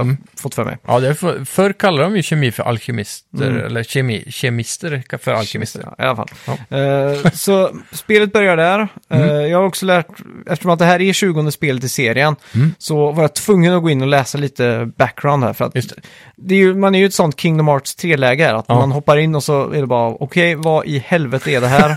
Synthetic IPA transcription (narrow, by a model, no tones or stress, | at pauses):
fɔt̪ːfœ̰ːɾmʔɛ̰jɑ̰d̪ɛæffœɾkʰalːad̪d̪ɔmjɵɕɛmiːfœɾʔa̰lɕɪmɪst̪ə̰ɾɛ̰lːəɾɕɛmḭːɕɛmɪst̪əɾfœɾa̰lɪsːɪ̰a̰lafa̰l | sɔspeːlət̪̚bœɾjaɖæɾjɑːɡhaɾɔksɔlæːʈʔɛft̪ə̥ʂɔmat̪̚d̪ɛɦæːɾɛɕʉ̟ːɡɔnd̪əspeːlət̪ɪseːɾɪənsɔvaɾjat̪ʰvɵŋːənɔɡoːɪnːɔlɛːsaliːt̪əbæk̚ːɡɾaʊnd̪hæ̰ːɾfœɾa̰t̪ | d̪ɛjɵmanæɾjʉɛt̪sɔnt̪kʰɪŋd̪ɔmɑːʈst̪ʰɾeːlɛːɡəhæːɾa̰t̪mmanɦɔpːaɾɪnːɔsɔɛ̰ɖɛbɑːɾaʔɔkʰɛjvaʔɪhɛlvɛt̪əɛɖɛɦæːɾ